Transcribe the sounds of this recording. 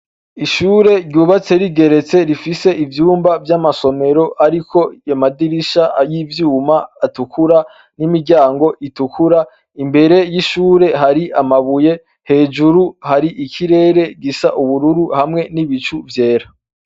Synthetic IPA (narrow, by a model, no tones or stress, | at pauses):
iʃuːɾe̞ɾɟjuːβat͡se̞ɾiɡe̞ɾe̞t͡se̞ɾifise̞ʔivjuːmbavjamaso̞me̞ɾo̞ʔaɾikʰo̞jamadiɾiʃajivjuːmaːtukuɾa | nimiɾɟaːŋɡo̞ʔitukʰuɾa | imbe̞ɾe̞jiʃuːɾe̞ɦaɾiʔamaβuje̞ | he̞ːd͡ʒuɾuhaɾiʔikʰiɾe̞ːɾe̞ɡisaʔuβuɾuɾuhamŋe̞niβit͡ʃuvje̞ːɾa